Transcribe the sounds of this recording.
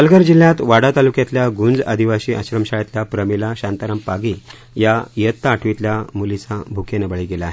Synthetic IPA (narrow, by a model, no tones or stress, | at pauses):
əlɡəɾd͡ʑil̤jãt̪ʋaɽat̪alukjat̪ljaɡund͡zəd̪ʱiʋaɕiːʔə̰ɕɾəmɕajat̪ljapɾəmilaɕant̪aɾampaɡi | jajət̪ːaːʈʰʋit̪ljamulit͡sabʱukʰenəbəɭiɡelaːɦe